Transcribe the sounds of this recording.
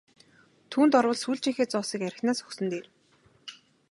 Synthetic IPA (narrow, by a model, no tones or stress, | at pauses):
t̪ʰuːnt̪ɔrwə̆ɮsuːɮt͡ɕiːŋxeːt͡sʊːsiːkæɾʲɪ̆xnaːsɵxsɵ̆nt̪eːr